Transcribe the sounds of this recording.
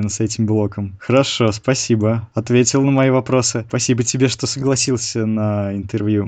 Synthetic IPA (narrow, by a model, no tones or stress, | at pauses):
ɪnəsɛtʲɪmblˠo̞kəmxəɾɐʂo̞spɐsʲibəɐt̪vʲetʲɪlˠnəmɐjivɐpɾo̞sɨpɐsʲibətʲɪbʲeʂt̪o̞səɡlˠɐsʲilˠsʲənəɪnt̪ɨrvju